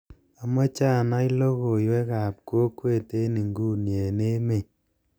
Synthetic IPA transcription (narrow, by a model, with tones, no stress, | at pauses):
a˨mɔ˦t͡ʃa˦˨na˦i˦lo˦ko˨jwɛ˦ka˨p̚ko˦kwe˦˨te˦ni˨ŋɡuː˦˨nje˨ne˦me˦˨